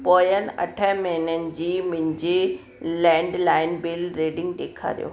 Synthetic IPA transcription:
poːjənɪ̆ɐ̰ʈʰəɦmeɦɪnənɪ̆d͡ʑiːmɪ̃ɲd͡ʑe | lɛ̃ːɳɖlaːɪnbɪlɾeːɖɪ̃ŋɡ̚ɗ̪eːkʰa̰ːɾḭjo̰ː

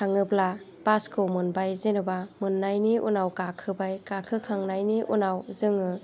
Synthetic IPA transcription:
aŋɯbla | b̥askʰɯwmɯnbajzenɯbamɯnːajniʔunawkakʰɯbajkakʰɯkʰaŋnajniʔṵnawzɯŋɯ

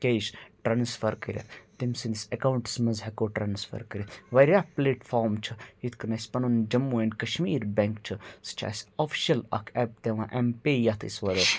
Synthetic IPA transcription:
kʲeʃʈɾaːnsfɐɾkɐɾʲɐ̰t̪imsind̪isɐkauɳʈsmɐzɦɛkoʈɾaːnsfʰə̰ɾkɐɾʲɐʋɐɾʲapleːʈfʰɔːɾmt͡ʃʰɨjit̪ʰkɐnɐsʲpɐnond͡ʒɐmːuːenkɐʃmiːɾbʲɛŋkt͡ʃʰɨsɨ̥t͡ʃʰa̰ːsʲoːfʰi̥ʃɐlɐ̰kʰɛp̚t̪eʋãːʔɛmpeːjat̪ʰḭsʋɐɾə

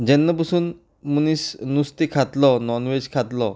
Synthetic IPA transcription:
d͡ʒenːɔbusun | munisnust̪ikʰat̪lɔnɔnwed͡ʒkʰat̪lɔ

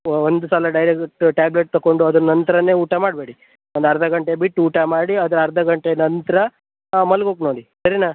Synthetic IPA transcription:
ond̪usaːlɐɖɐjɾek̚ʈʈaːbleʈ̚t̪ɐkːo̞ɳɖuɐd̪ɐnnːɐnt̪ɐɾɐnːe̞ːuːʈamaːɽbe̞ːɽi | ond̪ɐɾɐd̪ɐɡɐɳʈeɐbiʈːuːʈamaːɽiɐd̪ɐɾɐɾɐd̪ɐɡɐɳʈenɐnt̪ɐɾɐ | mɐlɡoːknoːɽisɐɾinaː

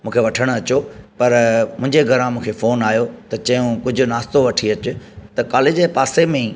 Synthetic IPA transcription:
mũːkʰeʋɐʈʰəɽ̃ʊɐt͡ɕopɐɾmʊ̃ɦɪ̃ɲd͡ʑeɡʱɐɾãmũːkʰefoːnaːjot̪ɐt͡ɕɐ̃jũkʊd͡ʑʱʊnaːst̪oʋɐʈʰiɐt͡ɕʊ̆t̪ɐkaːleːd͡ʑepaːsemẽ

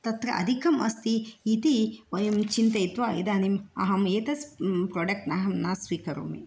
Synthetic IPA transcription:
t̪ɐt̪ɾɐ̰ʔɐ̰d̪ʱikɐmʔɐ̰st̪iːt̪iʋɐjɐmt͡ʃint̪ɐit̪ʋaːḭd̪aːnimɐ̰ɦɐmeːt̪ɐspɾoːɖɐk̚ʈnaːɦɐmnaːsʋiːkɐɾṵmḭ

